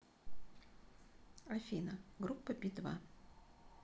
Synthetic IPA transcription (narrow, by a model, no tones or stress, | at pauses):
ɐfʲinəɡɾupːəbʲid̪va̰